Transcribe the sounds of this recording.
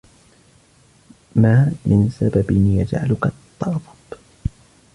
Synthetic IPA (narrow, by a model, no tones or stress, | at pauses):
maːmʔɪnsababɪnjad͡ʒʕa̰lʊkat̪ˤːɑɾðˤɑb̥